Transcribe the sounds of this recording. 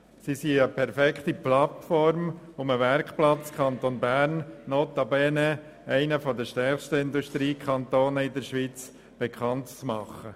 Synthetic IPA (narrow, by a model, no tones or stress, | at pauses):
sisiəpʰɛɾfɛkχt̪iplɑt̪fɔɾm | ʊməʋɛɾkχplɑt͡skʰχɑnt̪onbæɾnːoːt̪ɑbɛnə | æɪnəfɔd̪əʃtɛɾʃtəɪnd̪uʃt̪ɾiːkʰɑnt̪oːnəɪd̪əɾʃʋit͡s | b̥ekʰχɑntt͡smɑχːə